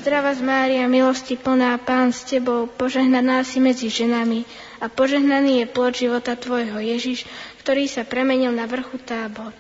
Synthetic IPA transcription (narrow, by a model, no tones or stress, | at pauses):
zd̪ɾaʋazmaːɾiamilɔscipl̩naːpaːnscɛbɔʊpɔʒɛɦnanaːsimɛd͡ziʒɛnami | apɔʒɛɦnaniːjɛplɔdʒiʋɔt̪at̪ʋɔjɦɔjɛʒiʃkt̪ɔɾiːsapɾɛmɛɲilnaʋr̩xut̪aːbɔɾ